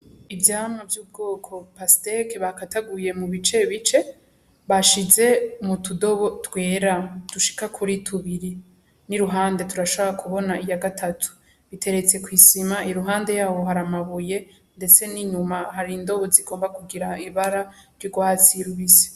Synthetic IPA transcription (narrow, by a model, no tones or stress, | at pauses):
ivjaːmŋovjub̚ɡo̞ːkʰo̞pastekeβakataɡuje̞muβit͡ʃe̞βit͡ʃe̞ | βaʃize̞mutudo̞βo̞twe̞ːɾad̥uʃi̥kakʰuɾitʰuβiɾi | niɾuɦaːnde̞tuɾaʃoβoɾakʰuβo̞naijaɡatʰatʰu̥ | βite̞ɾe̞t͡se̞kwiːsimaiɾuɦaːnde̞jaːwo̞ɦaɾamaβuje̞ | nde̞t͡se̞niɲumaɦaɾindo̞βoziɡo̞ːmbakuɡiɾaiβaɾaɾjoɡwat͡siɾuβise̥